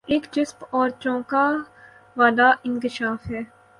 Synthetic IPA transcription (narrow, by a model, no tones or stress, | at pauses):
eːkd͡ʒɪspɔːɾt͡ʃɔ̃ːka | ʋaːd̪aɪ̃ŋkɪʃaːfɦɛː